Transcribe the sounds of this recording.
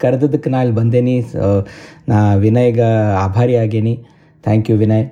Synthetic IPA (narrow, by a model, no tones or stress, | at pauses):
kɐɾɐd̪ɐd̪ɐkːenaːilbɐnd̪eːni | naːʋinɐjɐɡɐaːbʱaːɾiaːɡeːni | t̪ʰaːŋkjuʋinɐj